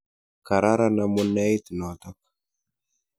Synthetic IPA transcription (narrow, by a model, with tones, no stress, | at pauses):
ka˨ɾa˦ɾa˦na˦mu˦nːa˦i˦t̪nɔ˨t̪a˦k